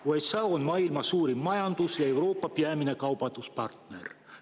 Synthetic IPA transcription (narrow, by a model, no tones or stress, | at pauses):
uejt̪sɑonmɑilmɑsuːɾimːɑjɑnd̪̥usjɑe̞wɾo̞ːpːɑpiæminekɑwbɑnd̪̥uspɑ̰rt̪nḛr